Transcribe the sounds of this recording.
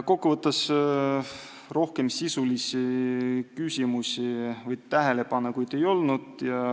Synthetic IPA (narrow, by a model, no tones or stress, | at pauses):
ko̞kːuvɤt̪ːˑɑs | ro̞hke̞msisulisikysʲimusʲivɤjd̪t̪æɦe̞le̞pɑnːɑkujd̪̥e̞jo̞lnud̪̥jɑ